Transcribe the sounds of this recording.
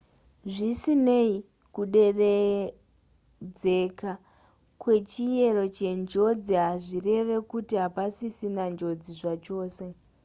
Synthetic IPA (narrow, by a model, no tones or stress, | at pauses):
ʐisine̞i | kuɗe̞re | d͡ze̞ka | kwe̞t͡ʃije̞ɾo̞t͡ʃe̞nd͡ʒo̞d͡ziɦaʐire̞ʋe̞kutiɦapasisinand͡ʒo̞d͡ziʐat͡ʃo̞ːse̞